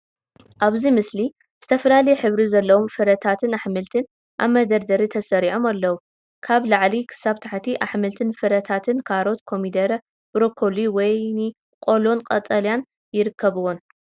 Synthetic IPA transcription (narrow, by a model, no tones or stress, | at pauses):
ʔaβzimɨsli | z̥ɨt̪ʰɐfɐlalɐjɛħɨβɾizɐlːɐwomfɨɾɐt̪ʰat̪ʰɨnaħmɨlt̪ʰɨn | ʔa̰βmːɐd̪ɐɾd̪ɐɾit̪ʰɐsɐɾiʕomalːɐwu | kʰaβlaʕlikʰɨ̥saβt̪ʰaħt̪ʰiʔaħmɨlt̪ʰɨnfɨɾɐt̪ʰat̪ʰɨnkʰaɾo̞t̪kʰo̞mid̪ɐɾɐ | bɾokʰoliwɔjnɨ | kʼo̞lo̞nqʼɐt̪ʼɐljan | jɪɾɨkʰːɐβɨwon